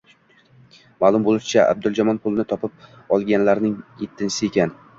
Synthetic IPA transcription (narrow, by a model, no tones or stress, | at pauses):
maːlˠʊmbolˠɪʃɪt͡ʃʰaʔa̰b̚d̪ʊlˠd͡ʒɒmɒnpʰʊlˠnɪt̪ʰɒpʰɪp̚ | ɒlˠɡʲanlaɾnɪŋet̪ʰːɪnsɪe̞kʲʰan